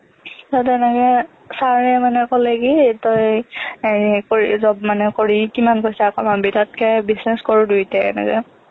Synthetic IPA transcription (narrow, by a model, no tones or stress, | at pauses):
jatɛnɛkɛ | saɹɛmanɛkɔlɛkitoj | koɹḭzɔb̚manɛkoɹikimankojsakɔmanbitat̚kɛbisnɛskoɹudutɛɛ̰nɛ̰kɛ̰